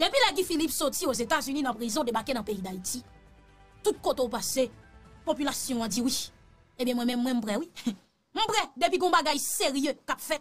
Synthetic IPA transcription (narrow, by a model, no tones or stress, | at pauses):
d̪epilaɡ̬ifilipsotiozet̪azynĩnãpʁizɔ̃d̪ebakenãpeid̪aiti | t̪ut̪̚kot̪eupasepopylasjɔ̃ãd͡ziwiʃ | ebjɛ̃mw̃ɛ̃mɛ̃mːwɛ̃m̩̃pʁɛwi | m̩bʁɛd̪ep̬ikɔ̃baɡajseʁjøkapfɛ